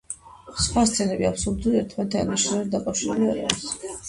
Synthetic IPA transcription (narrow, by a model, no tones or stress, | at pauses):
sχwast̪sʼʰɛlɛbiapsuɾd̪uliɛɾt̪ʰmɛnt̪ʰɛɛniʃɾɛɛd̪d̪akʼafʃiɾuliaɾa̰ɛs